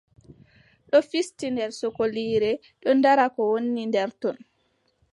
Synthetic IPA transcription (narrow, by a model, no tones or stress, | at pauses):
ɗɔfistindɛɾsɔkoliːɾɛ | ɗɔndaɾakɔwonːindɛɾtɔn